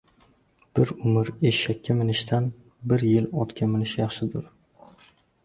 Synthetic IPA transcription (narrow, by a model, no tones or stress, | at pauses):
b̥ɪɾʊmɪɾeːakʲʰːamɪnɪʃt̪ʰan | bɪɾjɪlɒt̪kʲʰamɪnɪʃjɑχʃɪd̪ʊɾ